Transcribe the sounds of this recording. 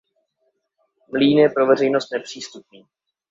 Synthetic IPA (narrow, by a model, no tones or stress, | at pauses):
mliːnjɛpɾovɛr̝ɛjnost̪nɛpr̝̥iːst̪up̚niː